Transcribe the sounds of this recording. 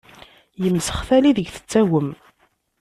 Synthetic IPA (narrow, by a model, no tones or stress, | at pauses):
jəmːsə̥χθæliðəɡθə̥t͡sːæwəm